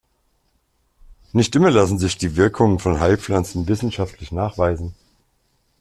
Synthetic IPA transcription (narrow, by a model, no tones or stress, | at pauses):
nɪçtʔɪmɐlasn̩zɪçd̥iːvɪɐkʰʊŋənfɔnɦaɪp͡flant͡sn̩vɪsn̩ʃaftʰlɪçnaːχv̥aɪzn̩